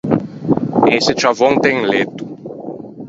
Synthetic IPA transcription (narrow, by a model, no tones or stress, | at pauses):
esɪt͡ʃavõŋt̪ɛ̃ŋlet̪u̥